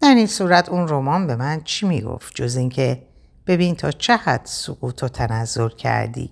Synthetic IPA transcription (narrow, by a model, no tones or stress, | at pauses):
d̪̥æɾinsuːɾæt̪ʰunromɒːnbe̞mænt͡ʃʰimiɡo̞̰ft̪̚d͡ʒo̞ziːŋcʰe̞ | b̥e̞biːnt̪ʰɒːt͡ʃʰehæd̪̥soɣ̥uːt̪ʰot̪ʰænæzːo̞ɾcʰæ̰ɾd̪ḭː